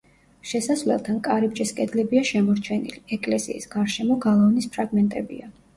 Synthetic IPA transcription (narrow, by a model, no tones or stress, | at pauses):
ʃɛsasvlɛ̰lˠt̪ʰankʼaɾibd͡ʒiskʼɛd̪lɛbiaʃɛmɔɾt͡ʃʰɛnḭliɛkʼlɛsḭḭːsɡ̥aɾʃɛmɔɡalˠavnispʰɾaɡmɛnt̪ʼɛbḭa